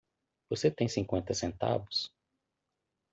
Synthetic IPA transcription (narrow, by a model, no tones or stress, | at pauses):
voset̪ẽj̃sĩŋkwẽnt̪ɐsẽnt̪a̰bʊs